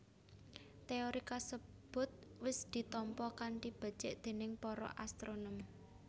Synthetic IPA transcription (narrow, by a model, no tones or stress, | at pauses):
t̪eoɾikasə | b̥ʊ̤t̪̚wɪsd̪̥i̤t̪ɔmpɔkanʈib̥ə̤̥t͡ʃɪʔd̪̥e̤nɪŋpɔɾɔ̰ʔast̪ɾonɔm